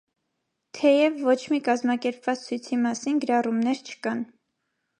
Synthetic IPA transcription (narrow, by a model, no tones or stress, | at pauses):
t̪ʰɛjɛvːɔt͡ʃʰmikɑzmɑkɛɾpvɑt͡st͡sʰujt͡sʰimɑsinɡəɾɑrumnɛɾt͡ʃʰə̥kɑn